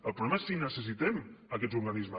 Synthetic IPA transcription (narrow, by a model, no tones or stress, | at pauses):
əlˠpɾulɛmaesːinəsəs̬it̪ɛmakɛzuɾɣanizmə